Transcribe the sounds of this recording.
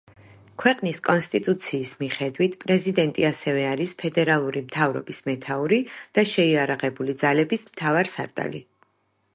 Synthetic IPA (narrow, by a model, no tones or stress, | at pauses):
kʰwɛqʼniskʼɔnst̪ʼit̪ʼut̪sʰiːsmiχɛd̪wit̪ʰpʼɾɛzid̪ɛnt̪ʼiasɛvɛaɾispʰɛd̪ɛɾalˠuɾimt̪ʰavɾɔ̰bismɛt̪ʰauɾid̪̥aʃɛiaɾaʁɛbulid̪zalɛbismt̪ʰavaɾsa̰ɾt̪ʼa̰lḭ